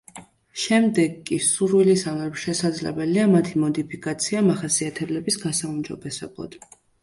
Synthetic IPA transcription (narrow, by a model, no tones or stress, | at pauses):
ʃɛmd̪ɛɡːisuɾwilisamɛpʃɛsad̪zlɛ̰bɛliamat̪ʰimɔd̪ipʰikʼat̪sʰiamaχasiat̪ʰɛblɛbisɡasaumd͡ʒɔ̰bɛsɛ̰blˠa̰d̪̥